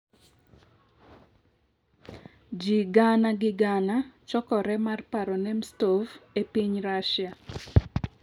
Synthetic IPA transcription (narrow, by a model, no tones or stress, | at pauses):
d͡ʒiɡanaɡɪɡanat͡ʃɔkɔɾɛmarpaɾɔnɛmstofepiɲɾaʃja